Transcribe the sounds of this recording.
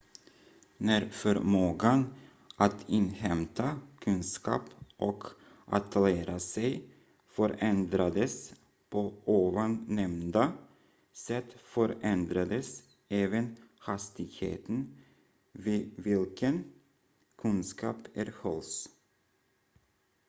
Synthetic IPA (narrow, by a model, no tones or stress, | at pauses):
næɾfœɾmoːɡan | ʔat̪ɪnhɛmt̪ʰakʰɵnskɑ̰ːpʔɔk | ʔa̰t̪ʰleːɾʔasɛj | fœɾɛnd̪ɾad̪əs | pʰooːvanːɛmnd̪a | sɛt̪ːfœɾɛnd̪ɾad̪əs | ɛːvənhast̪ɪɡhḛːt̪ən | viːvɪlkən | kʰɵnskɑ̰ːpæɾhɔls